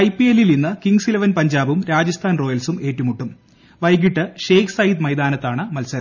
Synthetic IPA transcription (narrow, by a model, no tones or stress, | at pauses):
ɐjpːielilninːɨkiŋɡsilɐʋɐnpɐɲd͡ʑaːbumɾaːd͡ʑɐst̪ʰaːnro̞ːjɐlsume̞ːʈːumuʈːum | ʋɐjɡiʈːɨʂeːksɐjid̪mɐjd̪aːnɐt̪ːaːɳɨmɐlsɐɾ